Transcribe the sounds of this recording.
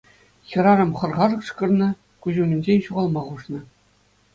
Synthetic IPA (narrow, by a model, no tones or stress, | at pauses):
xʲɤ̆ɾɑɾɤ̆mχɤ̆rʁɑʐɤ̆kʂkɤ̆rnɤ̆ | kuʑumʲɘnʲd͡ʑenʲɕuʁɑlˠmɑʁuʂnɤ̆